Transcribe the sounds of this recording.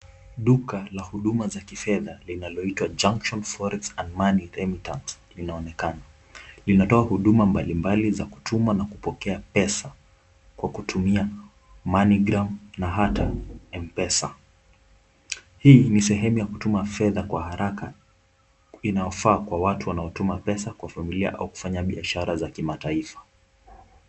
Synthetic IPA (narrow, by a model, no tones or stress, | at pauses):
ɗukalahuɗumazakifɛðalinalɔitwad͡ʒaŋkʃɔnfɔɾɛsãndmaniɾɛmitantslinaɔnɛkana | linatɔahuɗumambalimbalizaku̥tʰumanakupɔkɛapɛsa | kwakutʰumia | maniɡɾamnaɦataɛmpɛsa̰ | hiːnisɛɦɛmujakutumafɛðakwaɦaɾaka | inajɔfaːkwawatuwanaɔtumapɛsakwafamilia̰ʔa̰uku̥faɲaɓiaʃaɾazakimataifḁ